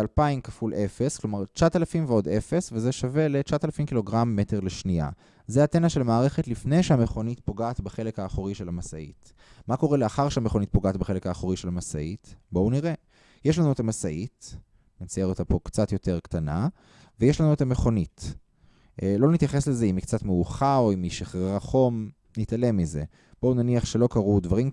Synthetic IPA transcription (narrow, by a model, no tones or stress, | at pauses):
alpaimkafulʔe̞fe̞sklo̞maʁt͡ʃat̪alafimveo̞de̞fe̞svezeʃave̞let͡ʃat̪alafimkilo̞ɡʁamːe̞te̞ʁleʃnia̰ | zeatenaʃe̞lmaːʁeχe̞tlifne̞jʃeameχo̞nit̪po̞ɡaːt̪baχe̞lekhaːχoʁiʃelamasaḭt | mako̞ʁeleaχaʁʃeameχo̞nit̚poɡaːt̪beχelekaːχoʁiʃelamasa̰itbo̞uniʁe | jeʃlanuetamasaʔit | net͡sajeot̪apo̞kt͡satjo̞te̞ʁktana | vejeʃlanue̞tameχo̞nit | ʔlo̞nit̪jaχe̞slezeimikt͡satmeuχao̞imiʃeχʁeʁaχo̞m | nitale̞mize̞ | b̥ounaniaχʃe̞lo̞kaʁudvaʁim